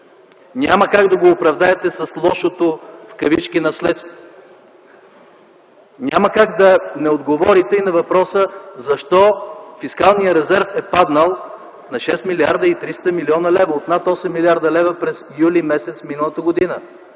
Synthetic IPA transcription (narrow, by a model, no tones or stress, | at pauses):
nʲaməkaɡd̪ɐɡoːpɾɐvd̪aɛt̪ɛsɐslˠɔʃot̪ofkɐvit͡ʃkinɐslɛt̪st̪ | nʲaməkaɡd̪ɐnɛod̪ɡovɔɾit̪ɛinɐvɐpɾɔsəzɐʃt̪ɔfiskalˠnijəɾɛzɛɾfɛpad̪nəlˠ | nɐʃɛst̪miliaɾd̪əit̪ɾist̪əmiliɔnɐlɛvɐot̪nat̪ɔsɛmːiliaɾd̪ɐlɛvəpɾɛzjulimɛsɛt̪sfminəlˠət̪əɡod̪inə